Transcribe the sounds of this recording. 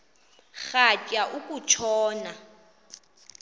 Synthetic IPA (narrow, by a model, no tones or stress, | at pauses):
χat͡ʃʼaʔukʼut͡ʃʰɔːna